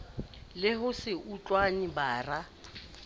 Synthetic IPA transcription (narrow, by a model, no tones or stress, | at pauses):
lɪɦʊsɪʔut͡ɬʼwanibaːra